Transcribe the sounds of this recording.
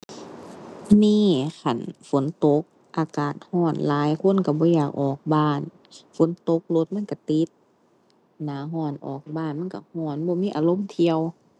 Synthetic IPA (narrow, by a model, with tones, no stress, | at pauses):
niː˧˥˨kʰa˨˩nfo˨˦nt̪o˧˦k̚ | ʔaː˧kaː˨˩t̪̚hɔː˧˥˩nlaː˨˦jkʰo˧˥˨nka˧˩bɔː˧˦jaː˨˩k̚ʔɔː˨˩k̚baː˧˥˩n | fo˨˦nt̪o˧˦k̚lo˧˦t̪̚ma˧˥˨nka˧˩t̪i˧˦t̪̚ | naː˨˦ɦɔː˧˩nʔɔː˨˩k̚baː˧˥˨nma˧˥˨ka˧˩hɔː˧˩nbɔː˧˦miː˧˥˨ʔa̰ː˨˧lo˧˥˨mt̪ʰi˧əw